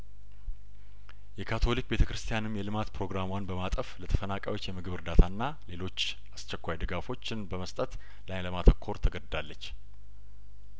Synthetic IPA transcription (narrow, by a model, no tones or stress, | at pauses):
jɛkʰat̪ʰo̞lik̚be̞t̪ʰəkɾɨst̪ʰijanɨmjɛlɨmat̪pʰɾo̞ɡɾamwanbəmat̪ʼəflət̪ʰə̥fənakʼajwot͡ʃːjɛmɨɡɨβɨɾd̪at̪ʰanːa | le̞lo̞t͡ʃː | ast͡ʃːɛkʷːajd̪ɨɡafo̞t͡ʃːɪnbəməst̪ʼət̪ | lajləmat̪ʰəkʰːo̞ɾt̪ʰəɡəd̪d̪alːət͡ʃː